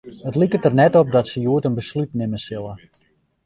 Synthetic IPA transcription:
ətlikətərnɛtɔp̚dɔtsəjuətənbəslytnɪməsɪlˠə

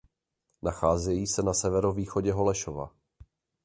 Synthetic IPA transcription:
naxaːzɛjiːsɛnasɛvɛɾoviːxo̞ɟɛɦo̞lɛʃova̰

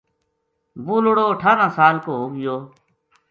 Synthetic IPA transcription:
buːloɽoːəʈʰaːɾãːsaːlkoːɦoːɡɪjoː

